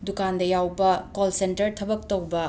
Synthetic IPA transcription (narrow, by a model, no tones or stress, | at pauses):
dukandɐjawbɐkolsentɐɾtʰɐbɐk̚towbɐ